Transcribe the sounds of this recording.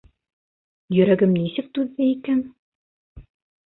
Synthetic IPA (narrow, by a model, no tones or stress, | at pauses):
jɵ̆ɾæɡɘmnisɘk̚t̪ʉðːɘikæn